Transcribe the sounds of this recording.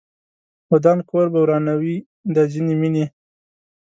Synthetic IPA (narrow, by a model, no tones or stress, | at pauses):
wod̪ɑnkoɾbawɾɑnawi | d̪ad͡ʒinimini